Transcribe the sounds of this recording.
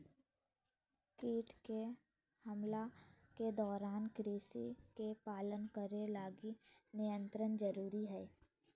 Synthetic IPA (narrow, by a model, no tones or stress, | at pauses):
kiːʈke | hɐmlaked̪ɔːɾaːnkɾeːsikepaːlənkəɾelaːɡinɪjə̃nt̪ɾənd͡ʒəɾuːɾiɦɛː